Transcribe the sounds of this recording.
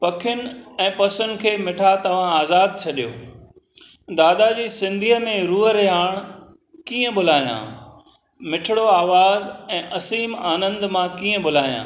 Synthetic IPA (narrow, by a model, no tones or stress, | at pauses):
pɐkʰɪjʊn̆ɛ̃ːpɐsʊn̆kʰeːmɪʈʰat̪ɐʋ̤ãaːzaːd̪̚t͡ɕʰɐɗijo̰ː | d̪aːd̪ad͡ʑiːsɪ̃nd̪ʱiɦəmẽɾuːɦəɾɐɦaːɽ̃ | kiːə̃ɓʊl̤aːijã̰ː | mɪʈʰɪɽoaːʋaːzɛ̃ːʔɐsiːmaːnə̃nd̪mãkiːə̃bʊl̤aːijã̰ː